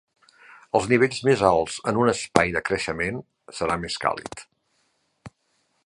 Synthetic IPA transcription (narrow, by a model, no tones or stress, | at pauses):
əlˠzniβ̞eʎʲzmezalˠz̥ənunəspajðəkɾəʃəmen | səɾameska̰lˠḭt̪